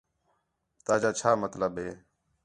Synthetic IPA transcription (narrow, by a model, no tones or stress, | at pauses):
t̪aːd͡ʒaːt͡ʃʰaːmət̪ləɓɦeː